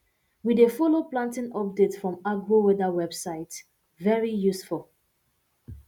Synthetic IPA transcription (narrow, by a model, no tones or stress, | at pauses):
widefɔloplãntɪ̃nɔp̚detfɹɔ̃maɡwowɛdəwɛbsaɪt | vɛɹijusfulˠ